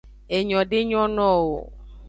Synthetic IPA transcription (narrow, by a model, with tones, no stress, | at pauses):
e˨ɲɔ̃˨ɖe˦ɲɔ̃˦nɔ̃˦wo˨